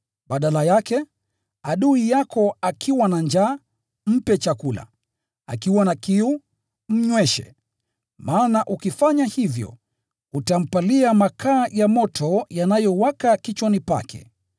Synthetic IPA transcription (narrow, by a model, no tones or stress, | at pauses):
ɓaɗalajakɛ | aɗuijakɔakʰiwanaɲd͡ʒaː | m̩pɛt͡ʃakula̰ | a̰kiwanakiu | m̩ɲwɛʃɛ̰ | maːnaʔukifaɲahivjɔ̰ | utam̩paliamakʰaːjamɔtʰɔjanajɔwakakit͡ʃɔnipa̰kʰɛ̰